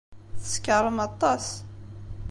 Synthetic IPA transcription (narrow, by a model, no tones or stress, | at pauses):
θə̥skəɾˤəmɑt̪ˤːɑs